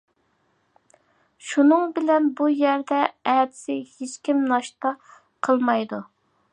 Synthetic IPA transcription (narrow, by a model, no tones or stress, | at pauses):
ʃunɨŋbɪlɛnbujæɾd̪ɛɛd̪ɪ̥sɪhet͡ʃkʲimnɑʃt̪ɑ | qʰəlˠmɑjd̪u